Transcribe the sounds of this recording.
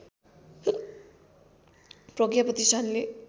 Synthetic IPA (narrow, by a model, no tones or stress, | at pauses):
prʌɡjapʌt̪istʰanle